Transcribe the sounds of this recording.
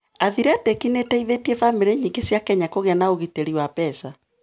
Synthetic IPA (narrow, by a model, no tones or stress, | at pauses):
aðiɾeatɛkinetɛiðetievameɾeɲiŋɡesjakɛɲakoɣeanaoɣiteɾiwapɛsa